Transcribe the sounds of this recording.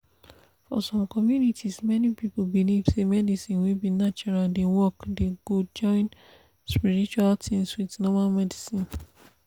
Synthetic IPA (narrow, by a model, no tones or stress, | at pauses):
fɔ̰sɔ̃mkɔmjunitʰismɛnipipobilivsemɛdisĩnwebinat͡ʃɔɹaldewɔkdeɡud͡ʒɔ̃ɪ̃n | spiɹit͡ʃualtʰĩŋswidnɔmalmɛdisĩn